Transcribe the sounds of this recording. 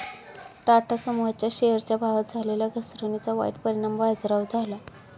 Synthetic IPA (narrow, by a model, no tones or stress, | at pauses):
ʈaʈʰasəmujat͡ɕjaɕejəɾt͡ɕjabʱaʋat̪̚d͡zʱaleljaɡʱəsɾonit͡saʋa̰iʈpəɾiɽambad͡zɾaʋd͡zʱala